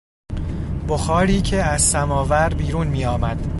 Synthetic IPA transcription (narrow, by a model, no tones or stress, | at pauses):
b̥oxɒːɾiːcʰeæzsæmɒːvæɾbiːɾuːnmiːɒːmæd̪̥